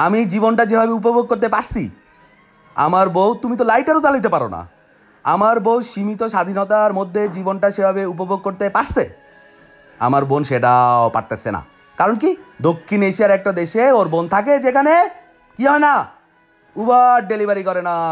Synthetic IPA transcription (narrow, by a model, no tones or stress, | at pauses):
amid͡ʑibonʈad͡ʑebʱabeup̬obʱoɡ̚koɾt̪epaɾsʰḭ | a̰maɾbowt̪umit̪̬olajʈaɾot͡ɕalit̪̬epaɾo̰na̰ | a̰maɾbowʃimit̪oʃad̪ʱinot̪aɾmod̪ʱːed͡ʑibonʈaʃebʱabeup̬obʱoɡ̚koɾt̪epaɾsʰe | a̰maɾbonʃeʈaopa̰ɾt̪asḛna̰ | kaɾonkid̪okʰːineʃijaɾɛk̚ʈad̪eʃeoɾbont̪ʰak̬ed͡ʑekʰane | kiɦɔena | ubaɖelibaɾikɔɾena